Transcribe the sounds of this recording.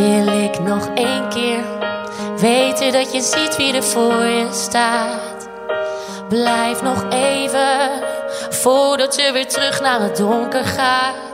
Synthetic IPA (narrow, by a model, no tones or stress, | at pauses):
ɪlɪknɔχejnkɪːɹ | ʋejtədɑtjəzitʋidəvʊːɹjəstaːt | blɛjfnɔχejvə | fʊːɹdɑtəʋɪːɹtrɵχnaːrədʊŋkəɹχaː